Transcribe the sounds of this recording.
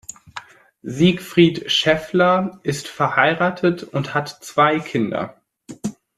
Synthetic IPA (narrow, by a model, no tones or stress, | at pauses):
ziːkfʁ̥iːtʃɛflɐʔɪstfɛɐhaɪʁaːtʰətʊnthatt͡sv̥aɪkʰɪndɐ̰